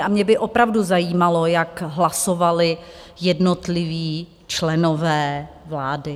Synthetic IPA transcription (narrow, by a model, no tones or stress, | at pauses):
amɲɛbɪʔopɾavduzajiːmalojakɦlasovalɪ | jɛdnot̪lɪviː | t͡ʃlɛno̞vɛː | vlaːdɪ